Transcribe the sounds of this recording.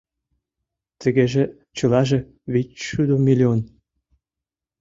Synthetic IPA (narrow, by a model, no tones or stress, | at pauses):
t̪ə̆ɣeʒĕ | t͡ɕɤ̆lɑʒĕ | βit͡ɕʃyd̪omilʲion